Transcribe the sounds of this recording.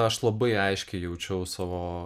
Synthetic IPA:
ɐʃlˠɐbɐɪɐɪʃʲkʲɛɪjɛʊt͡ʃʲɛʊsɑːʋoː

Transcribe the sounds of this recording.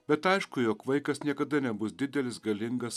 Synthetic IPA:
bʲɛt̪ɐɪʃkʊjoːkʋɐɪkɐsnʲiɛkɐd̪ɐnʲɛbʊsd̪ʲɪd̪ʲɛlʲɪsɡɐlʲɪŋɡɐs

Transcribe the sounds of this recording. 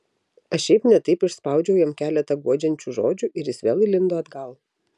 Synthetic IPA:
ɐʃʃʲɛɪpnʲɛt̪ɐɪpɪʃspɐˑʊd͡ʒʲɛʊjɛmkʲæːlʲɛt̪ɐɡuɔd͡ʒʲɛnʲt͡ʃʲuʒoːd͡ʒʲuʔɪɾjɪsʋʲeːlˠɪlʲɪnd̪oːɐd̪ɡɐlˠ

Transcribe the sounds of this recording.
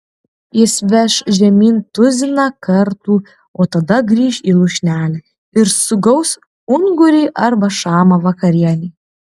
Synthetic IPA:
jɪsʋʲɛʃʒʲɛmʲiːnt̪ʊzʲɪnɑkɐɾt̪uː | oːt̪ɐd̪ɐɡɾʲiːʃiːlˠʊʃʲnʲæːlʲɛ | ɪɾsʊɡɐʊs | ʊŋɡʊɾʲiːʔɐɾbɐʃɑːmɐʋɐkɐɾʲiɛnʲɛː

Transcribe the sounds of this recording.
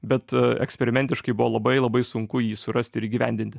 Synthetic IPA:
bʲɛt̪ɛ̰ksʲpʲɛɾʲɪmʲɛnʲt̪ʲɪʃkɐɪbʊʋoːlˠɐbɐɪlˠɐbɐɪsʊŋkʊjiːsʊɾɐsʲt̪ʲɪɾiːɡʲiːʋʲæ̰nʲd̪ʲɪnʲt̪ʲɪ

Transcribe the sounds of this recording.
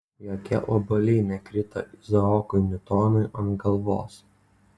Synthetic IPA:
joːkʲɛ̰ʔobɐlʲɛɪnʲɛkɾʲɪt̪ɐ̰ʔɪzɐɔːkʊɪnʲʊt̪ɔːnɐɪʔɐnɡɐlˠʋo̰ːs

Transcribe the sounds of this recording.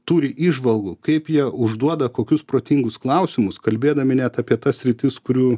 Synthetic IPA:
t̪uːɾʲɪʔiːʒʋɐlˠɡʊkɐɪpjiɛʊʒd̪uɔd̪ɐkoːkʲʊspɾoːt̪ʲiŋɡʊsklˠɐʊsʲɪmʊskɐlʲbʲeːd̪ɐmʲɪnʲɛt̪ɐpʲiɛt̪ɐssʲɾʲɪt̪ʲɪskʊɾʲuː

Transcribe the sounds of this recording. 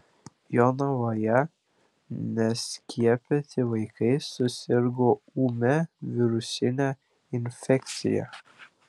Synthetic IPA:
jonɐʋojɛ | nʲɛsʲkʲʰiɛpʲet̪ʲɪʋɐɪkɐɪsʊsʲɪɾɡoːuːmʲɛʋʲɪɾʊsʲɪnʲæ | ɪnʲfʲɛkʲt̪sʲɪ̰jɛ̰

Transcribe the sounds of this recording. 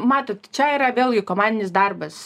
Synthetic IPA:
mɑːt̪oːt̪t͡ʃʲɛiːɾɐʋʲeːlʲˠɡʲɪkoːmɑːnd̪ʲɪnʲɪsd̪ɐrbɐs

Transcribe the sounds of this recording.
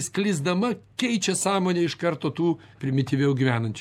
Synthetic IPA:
sklʲɪzd̪ɐmɐkʲɛɪt͡ʃʲɛsɑːmoːnʲeːɪʃkɐrt̪oːt̪uː | pʲɾʲɪmʲɪt̪ʲiʋʲɛʊɡʲiʋʲæːnɐnʲt͡ʃʲ

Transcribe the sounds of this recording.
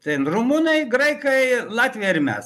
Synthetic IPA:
t̪ʲɐɪnrumuːnɐɪɡɾɐɪkɐɪlˠɑːt̪ʲʋʲijɛɪɾʲmʲæ̰s

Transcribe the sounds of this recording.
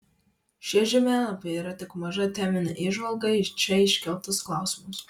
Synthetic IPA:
ʃʲɪʒʲɪmʲæːlɐpʲɐiːɾɐt̪ʲɪkmɐʒɐt̪ʲæːmʲɪnʲɐʔɪʒʋɐlˠɡɐɪt͡ʃʲɛɪʃʲkʲɛlˠt̪ʊsklˠɑˑʊsʲɪmʊs

